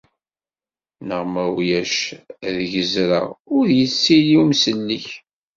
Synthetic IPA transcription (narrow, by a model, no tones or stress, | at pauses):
nəʁmæwjæʃðʝəzɾə̰ʊɾjət͡sːiliwmsəlːiç